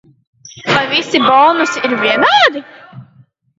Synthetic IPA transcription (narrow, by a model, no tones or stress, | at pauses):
vajvisibɔlˠnusiiɾvʲiɛnaːd̪i